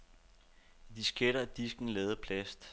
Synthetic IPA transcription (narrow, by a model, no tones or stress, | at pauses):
id̥isɡ̥eɾɐæd̥isɡ̥n̩lɛːð̩ˠpʰlæsd̥